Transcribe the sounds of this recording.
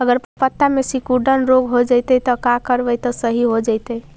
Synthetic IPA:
əɡəɾpəpət̪ːamesikuɖənɾoɡɦod͡ʒəjt̪ət̪ɔkakəɾbəjt̪ɔsəɦiɦod͡ʒəjt̪əj

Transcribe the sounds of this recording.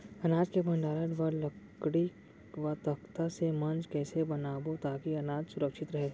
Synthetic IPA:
ɐnaːd͡ʒkebʱɐ̃ɳɖaːləʈʋɐlɐkɽi | ʋɐt̪ɐkt̪asemɐ̃nd͡ʒkɛːsebɐnaːbot̪aːkiɐnaːd͡ʒsʊɾəkʃɪt̪ɾɐɦeːɡa

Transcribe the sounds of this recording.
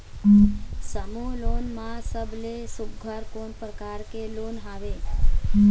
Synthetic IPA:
səmulonmãsəblesubɡʱəɾkoɳpɾəkaɾkelonɦaʋe

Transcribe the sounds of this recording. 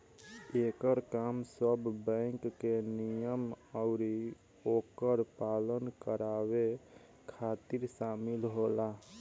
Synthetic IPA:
ekəɾkamsəbʱbə̃ŋkːenijəm | aʊɾi | okəɾpalənkəɾabe | kʰat̪iɾsamilɦola

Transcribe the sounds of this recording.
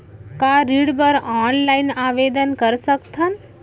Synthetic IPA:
kaɾiːɽbəɾaːnlainaːʋeːd̪ənkəɾsəkt̪ʰɐn

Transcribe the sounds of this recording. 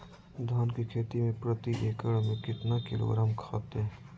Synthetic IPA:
d̪ʱaːnkekʰeːt̪imẽpɾət̪ieːkəɽmẽkɪt̪nakɪlo̰ɡɾaːmkʰa̰ːt̪ɦɛ̃

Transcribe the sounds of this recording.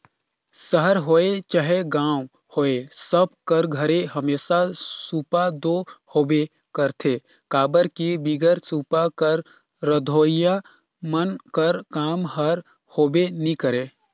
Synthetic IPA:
səɦəɾɦoːet͡ʃaɦeɡãːw | hoːesəb̚kəɾɡʱəɾeɦəmeːsasuːpad̪oːhoːbe | kəɾt̪ʰe | kaːbəɾkibiɡəɾsuːpakəɾː | əd̪ʱoːja | mənkəɾkaːmhəɾ | hoːbenikəɾeː

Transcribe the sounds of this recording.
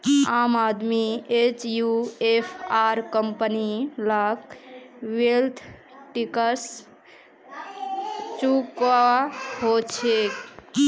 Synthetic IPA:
aːmad̪miet͡ʃjuepʰaɾkəmpənilakwelt̪ʰ | ʈikəs | t͡ʃukahot͡ʃʰek

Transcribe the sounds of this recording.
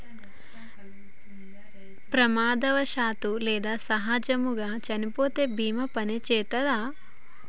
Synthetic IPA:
pɾɐmaːd̪ɐʋɐʃaːt̪ulɛːd̪aːsɐɦaːd͡ʒɐmuɡaːt͡ʃɐnipoːt̪eːbʱiːmɐpɐnet͡ʃɛːt̪ɐd̪aː

